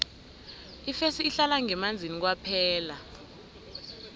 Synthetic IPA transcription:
ifesiːɬalaŋɛmand͡zʱinik̬wapʰɛːla

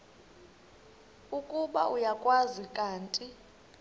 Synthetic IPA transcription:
ukʼuɓaʔujakʼwazikʼaːntʼi

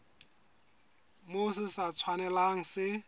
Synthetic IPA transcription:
mʊsɪsat͡sʰwanɛlaŋ̩sɪ

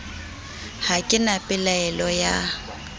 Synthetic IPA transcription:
hakʼɪnapʼɪlaɛlɔja

